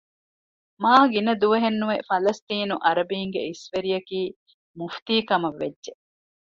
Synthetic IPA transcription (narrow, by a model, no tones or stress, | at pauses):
maːhɐɡinɐd̪uʋɐɦenːuʋefɐlɐst̪iːnuʔɐɾɐbiːŋɡeisʋeɾijɐkiː | muft̪iːkɐmɐʋːedːʒe